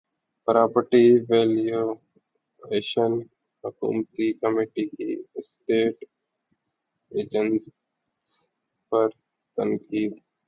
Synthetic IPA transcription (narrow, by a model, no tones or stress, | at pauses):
pɾaːpəʈiʋeːljo | eːʃən | hʊkṵːmt̪ikəmiʈikḭsʈeːʈ | eːd͡ʒəns | s | pɐɾ | t̪əŋkiːd̪